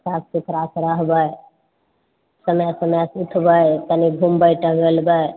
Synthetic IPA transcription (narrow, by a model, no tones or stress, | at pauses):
sast͡ʃuk̪ʰɾasɾəɦbəj | səməjsəməsut̪ʰbək̪aniɡʱumbəjʈəɡəlbə